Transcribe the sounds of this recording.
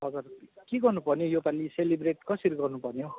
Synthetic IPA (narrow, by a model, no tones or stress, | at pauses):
ʌd͡zʌrkiɡʌrnupʌrnjojopaliselibreʈkʌsʌɾiɡʌrnupʌrnjo